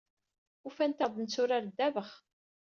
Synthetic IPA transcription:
ufænt̪æðˤnt͡sːʊɾaɾd̪ːævəχ

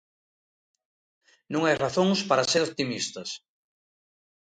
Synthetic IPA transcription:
nũŋajraθõŋspaɾaseɾop̚t̪imist̪ɐs

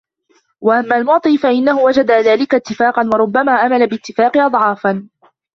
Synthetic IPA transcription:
waʔamːaːlmʊʕt̪ˤiːfaʔɪnːahʊwad͡ʒad̪aðaːlɪkat̪ːɪfaːqɑnwɑɾˤʊbːamaːʔamalabɪt̪ːɪfaːqɨʔɑd̪ˤʕɑːfan

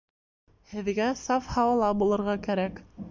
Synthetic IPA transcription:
hɘ̆ðɡæsɑfhɑwɑlˠɑbulˠɤ̆ɾʁɑkæɾæk

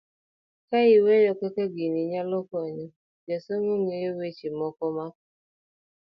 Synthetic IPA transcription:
kaiwɛjɔkɛkɛɡiniɲalɔkɔɲi | d͡ʒasoŋoŋejowet͡ʃimɔkɔmak

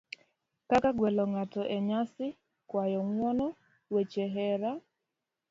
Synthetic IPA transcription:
kakaɡwɛlɔŋatɔʔeɲasɪ | kwajɔŋwɔnɔ | wet͡ʃeɦɛɾa

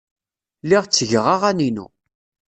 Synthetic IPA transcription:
liʁt͡sːəʝʁaʁæninṵ

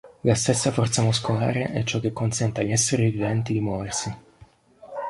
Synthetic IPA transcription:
last̪esːafɔrt̪samuskola̰ːɾeʔɛt͡ʃːɔk̟ːekːonsɛnt̪eaʎːɛsːeɾivivɛnt̪id̪imwɔːversi

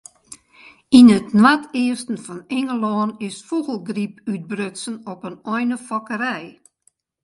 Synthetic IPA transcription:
inətnwatʰɪəstn̩fɔnɪŋəlɔːnɪsfuɣəlˠɡripyt̚brøtsənɔpənɔjnəfɔkəɾɛj

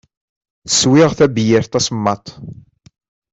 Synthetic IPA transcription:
θə̥swɪʁθæbjɪɾt̪ˤɑsmːɑt̪ˤ

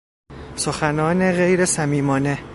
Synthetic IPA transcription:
soxænɒːne̞ɣe̞jɾe̞sæmiːmɒːne̞

